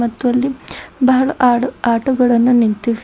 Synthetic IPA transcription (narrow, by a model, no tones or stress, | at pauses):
ɐt̪ːʋɐlːibɐɦɐɭɐʔaːɽɐaːʈuɡɐɭɐnːunint̪is